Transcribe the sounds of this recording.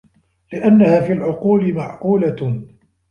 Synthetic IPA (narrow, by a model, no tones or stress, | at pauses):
lɪʔanːahaːfiːlʕʊquːlɪmaʕʔuːla